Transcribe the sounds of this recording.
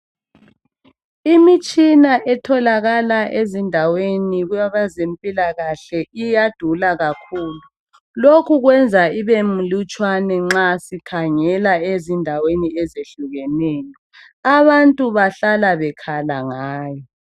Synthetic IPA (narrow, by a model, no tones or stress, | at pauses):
imit͡ʃʼinaʔɛtʰɔlaɣalaʔezindʱaweniɣujaβazempʼilaɣaɬɛijad̥ʱulaɣakʰuːlu | lokʰuɣwɛnd͡zʱaiβemulut͡ʃʼwanɛŋ͡ǁasikʰaŋɛlaezindʱaweniɛzeɬuɣɛnɛːjɔ | aβantʼuβaɬalaβɛkʰalaŋaːjɔ